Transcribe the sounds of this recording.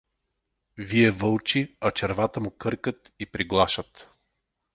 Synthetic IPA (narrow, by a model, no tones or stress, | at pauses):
viɛvɤlˠt͡ʃiat͡ʃɛɾvat̪əmukɤɾkət̪ipɾiɡlˠaʃət̪